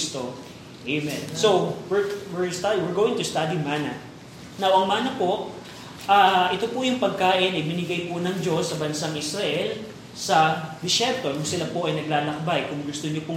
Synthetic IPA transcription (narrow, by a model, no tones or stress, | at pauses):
st̪o | ʔejmɛnsowwɪɹwɪɹst̪ad̪iwɪɹɡowɪ̃ŋt̪ʊst̪ad̪imaːnɐ | nɐwʔɐŋmaːnɐpo̞ʔ | ʔaʔɪt̪o̞pʊjʊŋpɐɡ̚kaːʔɪnʔɐjbɪnɪɡajpʊnɐŋd͡ʒo̞sːɐbɐnsaŋʔɪsɾɐʔɛl | sɐd̪ɪʃɛɾt̪onʊŋsɪlapo̞ʔɐjnɐɡlaːlɐk̚bajkʊŋɡʊst̪oɲopʊ